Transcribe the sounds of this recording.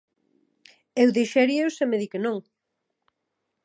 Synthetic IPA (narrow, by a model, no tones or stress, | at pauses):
ewðejʃɛɾiewsemeðikenõŋ